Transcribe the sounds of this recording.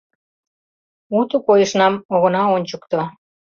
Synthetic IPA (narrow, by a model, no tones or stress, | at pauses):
ut̪ukojə̆ʃnɑmoɣə̆nɑonʲt͡ɕəkt̪o